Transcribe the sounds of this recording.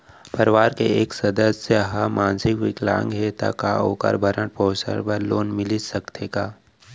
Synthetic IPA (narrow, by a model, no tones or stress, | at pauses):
pɐɾʋaːɾkeeːksɐd̪əsəɦamaːnsɪkʋɪkla̰ːŋɡɦet̪a̰ka̰oːka̰ɾbʱɐɾə̃ʈpɔːsə̰ɾpəɾloːnmɪlisɐkt̪ʰeːɡaː